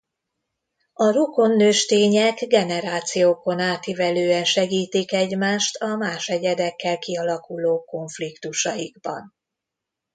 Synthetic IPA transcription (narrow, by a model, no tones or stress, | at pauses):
ɒɾuko̞nːøːʃt̪eːɲɛɡɡɛnɛɾaːt̪sijoːko̞naːt̪ivɛløːɛnʃɛɡiːt̪ikɛɟmaːʃt̪ʰɒmaːʃɛɟɛd̪ɛkːɛlkiɒlɒkuloːko̞ɱflikt̪uʃɒjiɡbɒ̰n